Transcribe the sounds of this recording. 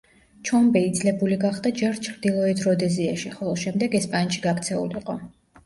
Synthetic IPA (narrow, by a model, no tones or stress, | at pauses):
t͡ʃʰɔmbɛid̪zlɛbuliɡaχd̪ad͡ʒɛɾt͡ʃʰɾd̪ilˠɔɛt̪ʰɾɔd̪ɛziaʃiχɔlˠɔʃɛmd̪ɛɡɛspʼanʃiɡakt̪sʰɛṵliiqʼɔ